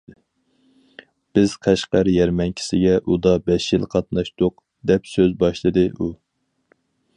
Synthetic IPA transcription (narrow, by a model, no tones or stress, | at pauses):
b̥ɪz̥qʰæʃqɑɾjɛɾmɛnkʲʰi̥sɪɡʲɛʔud̪ɑbɛʃjilˠqʰɑt̪nɑʃt̪ʊq̚ | d̪ɛpsøzbɑʃlˠɨd̪ɨʔu